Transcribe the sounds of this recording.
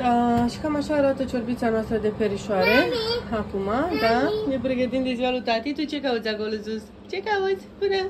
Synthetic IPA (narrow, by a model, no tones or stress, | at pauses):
əʃi̥kamaʃaɾat̪ət͡ʃoɾbit̪sanoast̪ɾəd̪epeɾiʃoaɾeakumad̪anepɾeɡət̪̬imd̪eziwalut̪at̪it̪ut͡ʃekawut̪t͡sʲaɡolɨzus | t͡ʃekawɨzʲpɨne